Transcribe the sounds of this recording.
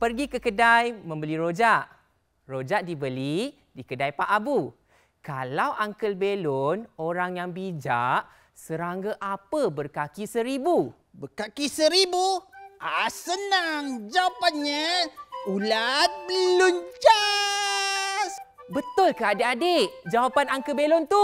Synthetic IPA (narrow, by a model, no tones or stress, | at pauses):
pərɡikəkədajmə̃mbəliɾod͡ʒaʔ | rod͡ʒaʔdibəli | dikədajpaʔabu | kalawʔaŋkəlbelonoɾaŋjaŋbid͡ʒa̰ʔ | səɾaŋɡəʔapəbərkakisəɾibu | bəkakisəɾibuasənaŋd͡ʒawapanɲa | ulabəlund͡ʒa | s | bət̪ʊlkəadeʔadeʔd͡ʒawapanaŋkəlbelʊnt̪u